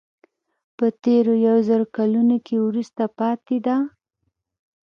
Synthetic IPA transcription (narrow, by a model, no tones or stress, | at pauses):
pət̪eɾojawzəɾokalunokewɾust̪apɑt̪ed̪a